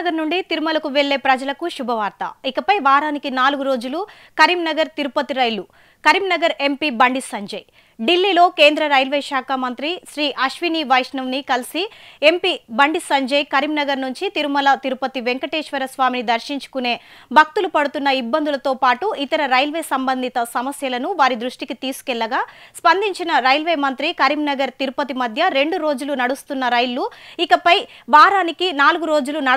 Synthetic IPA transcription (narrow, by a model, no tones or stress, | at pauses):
ɡɐɾnuɳɖit̪iɾumɐlɐkuʋeɭːe̞ːpɾɐd͡ʒɐlɐkuʃubʱɐʋaːɾt̪ɐ̰ikɐpɐjʋaːɾaːnikinaːluɡuɾo̞ːd͡ʒulu | kɐɾimnɐɡɐɾt̪iɾupɐt̪iɾɐjlu | kɐɾimnɐɡɐɾe̞mpibɐɳɖisɐɲd͡ʒɐj | ɖilːiːlo̞ːke̞ːnd̪ɾɐɾɐjlʋeːʃaːkamɐnt̪ɾiʃɾiːʔɐʃʋiniːʋɐjʂnɐʋnikɐlisie̞mpibɐɳɖisɐɲd͡ʒɐjkɐɾimnɐɡɐɾnuɲt͡ʃit̪iɾumɐlɐt̪iɾupɐt̪iʋe̞ŋkɐʈeːʂʋɐɾɐsʋaːminid̪ɐɾʃiɲt͡ʃu̥kune̞ːbʱɐk̚t̪ulupɐɽut̪unːɐibːɐnd̪ulɐt̪o̞ːpaːʈuit̪ɐɾɐɾɐjlʋeːsɐmbɐnd̪ʱit̪ɐsɐmɐsjɐlɐnuʋaːɾid̪ɾuʂʈikit̪iːsu̥kɛɭːɐɡaːspɐnd̪ʱiɲt͡ʃinɐɾɐjlʋeːmɐnt̪ɾikɐɾimnɐɡɐɾt̪iɾupɐt̪imɐd̪ʱjɐɾe̞ɳɖuɾo̞ːd͡ʒulunɐɽust̪unːɐɾɐjluikɐpɐjbaːɾaːnikinaːluɡuɾo̞ːd͡ʒulunɐ